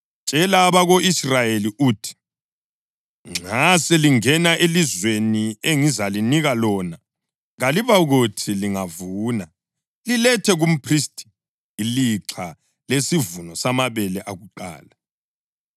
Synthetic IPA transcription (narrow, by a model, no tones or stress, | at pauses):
t͡ʃʼɛlaːβaɣoʔisrajeliʔuːtʰi̥ | ŋ͡ǁʱasɛliŋɛnaʔelizwenieŋizaliniɣalɔːna | ɣaliβaɣutʰiliŋavuːna | lilɛtʰɛɣum̩pʰristʼi̥ | iliǁʰa | lesivunɔsamaβɛlɛʔaɣuǃa̰ːla